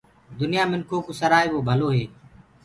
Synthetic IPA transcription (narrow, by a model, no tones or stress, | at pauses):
d̪ʊnɪjaːmɪnkʰoːkʊsəɾaːeːboːbʱəloːɦeː